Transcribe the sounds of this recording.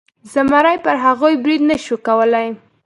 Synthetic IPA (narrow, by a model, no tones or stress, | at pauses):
zamaɾajpəɾɦaɣojbɾid̪naʃukawəlaj